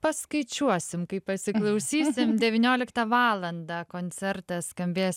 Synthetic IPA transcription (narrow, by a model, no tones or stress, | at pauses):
pɐskɐɪt͡ʃʲuɔsʲɪmkɐɪpɐsʲɪklˠɐʊsʲiːsʲɪmd̪ʲɛʋʲinʲoːlʲɪkt̪ɐʋɑːlˠɐnd̪ɑkoːnʲt͡ssʲɛɾt̪ɐsskɐmʲbʲeːs